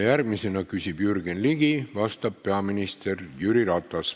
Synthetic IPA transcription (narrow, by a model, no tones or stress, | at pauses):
jærɡ̚mise̞nɑkysʲib̥jyrɡenliɡ̥ivɑst̪ɑb̚pːe̞ɑminist̪e̞rjyɾiɾɑt̪ˑːɑs